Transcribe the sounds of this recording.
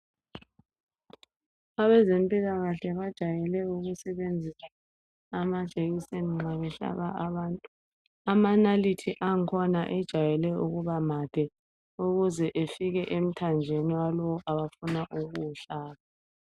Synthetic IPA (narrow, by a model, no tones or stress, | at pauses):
aβɛzempʼilaɣaɬɛβad̥ʒ̥ʱajɛlɛuɣusɛβend͡zʱisaː | mad̥ʒ̥ʱeɣiseniŋ͡ǁaβɛɬa̰ɣa̰ʔaβaːntʼu | amanalitʰiʔaŋkʰɔnaʔɛd̥ʒ̥ʱajɛlɛuɣuβamad̥ʱɛ | uɣuzɛʔefiɣɛʔem̩tʰand͡ʒʱeniwalɔwɔʔaβafunaʔuɣuɬaːβa